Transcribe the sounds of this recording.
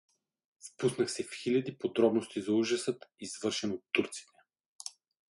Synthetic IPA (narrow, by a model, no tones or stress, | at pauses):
fpusnəxsɛfxilʲɐd̪ipod̪ɾɔbnost̪izɐuʒɐsət̪iz̥vɤɾʃɛnot̪ːuɾt̪si̥t̪ɛ̥